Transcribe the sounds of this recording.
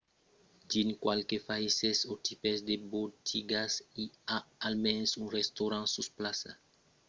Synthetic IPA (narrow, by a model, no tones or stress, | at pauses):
d͡ʒinkwalkefaisesot̪ʰipezd̪ebot̪ʰiɡasiaalmɛ̃nsũrest̪oɾãsusplasa̰